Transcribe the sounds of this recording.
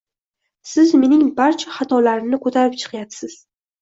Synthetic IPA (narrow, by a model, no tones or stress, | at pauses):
sɪzme̞nɪŋbaɾt͡ʃʰaχat̪ʰɒlaɾɪnɪkʰot̪ʰaɾɪp̚t͡ʃʰɨ̥qjat̪sɪz̥